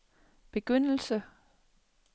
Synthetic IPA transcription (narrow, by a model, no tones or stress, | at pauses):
b̥e̝ɡ̥øn̰l̩sə